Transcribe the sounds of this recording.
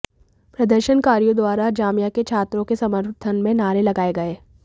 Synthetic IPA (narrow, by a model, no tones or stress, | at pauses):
pɾɐd̪əɾʃənkaːɾijõd̪waːɾad͡ʒaːmijaket͡ʃʰaːt̪ɾõkesɐməɾt̪ʰənmẽnaːɾelɐɡaːeɡɐeː